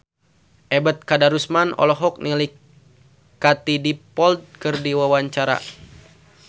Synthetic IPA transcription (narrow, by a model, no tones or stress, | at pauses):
ʔɛbət̪̚kadaɾusmanɔ̰lɔɦɔk̚nili | kat̪idipɔld̪̚kɨrdiwawaɲt͡ʃaɾa̰